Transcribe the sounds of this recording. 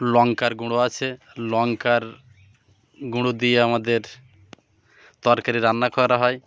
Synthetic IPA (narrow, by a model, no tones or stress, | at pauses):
lɔŋkaɾɡuɽ̃oat͡ɕʰe | lɔŋkaɾ | ɡuɽod̪ieamad̪eɾ | t̪ɔɾkaɾiɾanːakɔɾaɦɔe